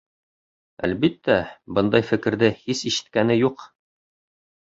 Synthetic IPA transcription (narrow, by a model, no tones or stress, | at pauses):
æ̰lbit̪ːæbɤnd̪ɑjfɘ̆kɘ̆ɾðɘhisiʃɘ̥̆t̪̚kænɘjuq